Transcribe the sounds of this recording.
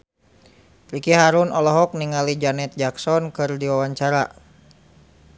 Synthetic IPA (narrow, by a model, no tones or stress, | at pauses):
ɾikiɦaɾunɔlɔɦɔk̚niŋalid͡ʒanɛt̪̚d͡ʒaksɔnkɨrdiwawaɲt͡ʃaɾa̰